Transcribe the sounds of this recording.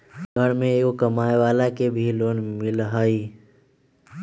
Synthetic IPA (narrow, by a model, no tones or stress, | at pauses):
ɡəɽmẽːkokəmaːeʋaːlakebʱiloːnmɪlɦəi